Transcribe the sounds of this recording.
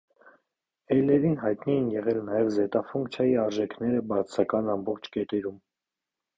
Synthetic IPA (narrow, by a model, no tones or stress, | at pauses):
ɛjlɛɾinɦɑjt̪nijinjɛʁɛlnɑjɛvzɛt̪ɑfuŋkt͡sʰjɑjiɑɾʒɛkʰnɛɾəbɑt͡sʰsɑkɑnɑmbɔχt͡ʃʰkɛt̪ɛɾum